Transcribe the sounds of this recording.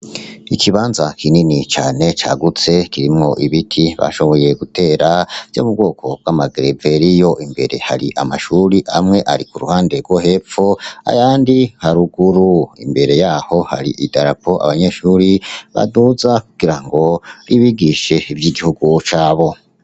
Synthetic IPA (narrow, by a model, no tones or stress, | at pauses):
ikʰiβaːnzakʰininit͡ʃaːne̞t͡ʃa̰ɡut͡se̞kiɾimŋo̞ʔiβitʰiβa̰ʃo̞βo̞je̞ɡute̞ːɾavjo̰ːmub̚ɡo̞ːkʰo̞b̚ɡwamaɡɾeve̞ɾijo̞ʔimbe̞̰ɾe̞haɾiʔa̰maʃuːɾiʔa̰mŋe̞ʔaɾikuɾṵhaːnde̞ɾɡwohe̞p͡foa̰jaːndihaɾuɡuɾuḭmbe̞ɾe̞jaːho̞haɾḭʔidaɾapo̞ʔa̰βaɲe̞ʃuːɾiβa̰duzakuɡ̥iɾaŋɡo̞iβiɡiʃe̞ivjiːɡihuɡut͡ʃaːβo̞